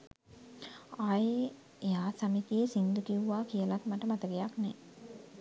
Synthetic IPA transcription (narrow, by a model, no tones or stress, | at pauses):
aje | ejaːsamit̪ijesind̪ukiuʋaːkijəlat̪maʈəmat̪əɡejaknɛ